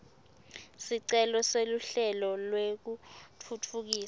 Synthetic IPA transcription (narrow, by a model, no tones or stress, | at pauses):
siǀɛlɔseluɬɛlɔlwek̬utʰutʰuk̬iːsa